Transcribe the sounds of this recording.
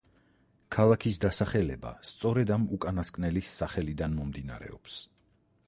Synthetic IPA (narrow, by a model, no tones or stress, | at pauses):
kʰalˠakʰisd̪asaχɛlɛba̰st̪sʼɔɾɛd̪amukʼanaskʼnɛlisːaχɛlid̪anmɔmd̪ina̰ɾɛ̰ɔps